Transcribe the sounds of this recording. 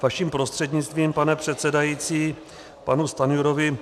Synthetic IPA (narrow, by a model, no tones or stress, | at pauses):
vaʃiːmpɾo̞st̪r̥ɛdɲɪt͡st̪viːmpanɛpr̝̥ɛt̪sɛdajiːt͡siː | panust̪anjuɾovɪ